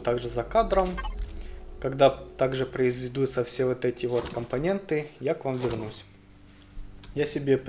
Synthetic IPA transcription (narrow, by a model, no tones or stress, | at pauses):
t̪aɡʐɨzɐkad̪ɾəm | kɐɡd̪at̪aɡʐɨpɾəɪzvʲɪd̪ut̪səfsʲe̞vot̪ɛtʲɪvo̞t̪kəmpɐnʲe̞nt̪ɨjakvamvʲɪrnusʲ | jasʲɪbʲe̞p